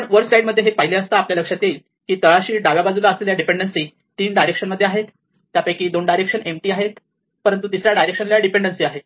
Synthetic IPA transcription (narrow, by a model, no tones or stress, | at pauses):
əɳʋəɾɡsaiɖməd̪ʱjeɦepaɦileəst̪aːpljaləkʂat̪el | kiːt̪əɭaɕiːɖaʋjabad͡zulaəsleljaɖipeɳɖənsiː | t̪iːnɖajɾekʂənməd̪ʱːjeaɦet̪ː | japəjkiːd̪oɳɖajɾekʂənʔemʈiːaɦet̪ | pəɾənt̪ut̪isɾjaɖajɾekʂənlljaɖipeɳɖənsiːaɦe